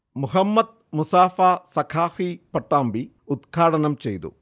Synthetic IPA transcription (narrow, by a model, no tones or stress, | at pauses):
muɦɐmːɐd̪̚musaːfaːsɐkʰaːfipɐʈːaːmbi | ud̪ɡʱaːʈɐnɐmt͡ʃejt̪ṵ